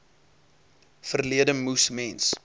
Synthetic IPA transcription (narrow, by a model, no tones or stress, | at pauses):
fərliədəmusmɛns